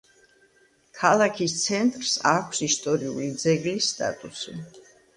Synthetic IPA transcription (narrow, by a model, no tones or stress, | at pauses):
kʰalˠakʰist̪sʰɛnt̪ʼɾsakʷʰsist̪ʼɔɾiṵlid̪zɛɡlisːt̪ʼa̰t̪ʼusi